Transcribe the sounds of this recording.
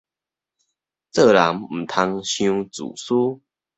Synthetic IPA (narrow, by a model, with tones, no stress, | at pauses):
t͡sɤ˥˧˨la˨˦ŋm̩˨˩t̪ʰa˧ŋɕjũ˦t͡sṵ˨˩su˦